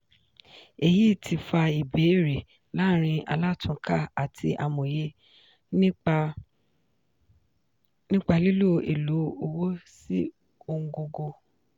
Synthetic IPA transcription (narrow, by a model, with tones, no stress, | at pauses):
e˨ji˦tʰi˧fa˧i˨be˨˦ɾe˨ | la˦ɾ̃ĩ˧a̰˧la˦˨tũ˧˦kʰa˦˨a˨tʰi˧ʔa˨mõ˨je˧˦ | nĩ˦k͡pa˧li˦lo˦˨ḛ˨lo˨˦o˧wo˦si˦ | o˧ŋ̩˧˦ɡo˧ɡo˧